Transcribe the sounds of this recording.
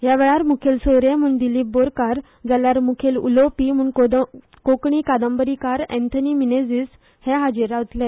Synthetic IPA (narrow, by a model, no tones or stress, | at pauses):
jaʋɛɭaɾmukʰelsoɾẽm̤uɳd̪iliːbboɾkaɾ | d͡zaljaɾmukʰelṵlopim̤uːɳd̪ | kokɳiːkad̪ambəɾikaɾɛ̰̃nt̪ʰənimined͡zis | hɛɦad͡ʑiɾaʋt̪lɛ